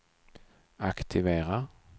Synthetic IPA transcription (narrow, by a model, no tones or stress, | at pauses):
akt̪ʰɪveːɾa